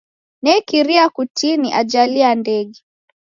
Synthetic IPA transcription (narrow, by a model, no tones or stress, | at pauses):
nɛkiɾiakutiniʔad͡ʒaliandɛɠɛ